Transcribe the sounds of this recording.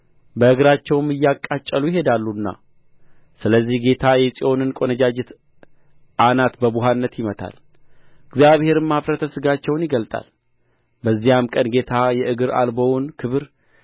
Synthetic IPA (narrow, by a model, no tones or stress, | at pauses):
bəɨɡɨɾat͡ʃːɛwɨmɨjːakʼːat͡ʃʼːəlujɪɦed̪alːunːa̰ | sɨləzːihɡe̞t̪ʰajɛsʼiʔo̞nɨnkʼo̞nəd͡ʒad͡ʒɪt̪ | ʔanat̪bəbuɦanːət̪jɪmət̪ʰa̰l | ɨɡzijaβhe̞ɾɨmːafɾət̪ʰəsɨɡat͡ʃːɛwnjɪɡəlt̪ʼa̰l | bəzːijamkʼənɡe̞t̪ʰajɛʔɨɡɨɾa̰lbownkʰɨβɨɾ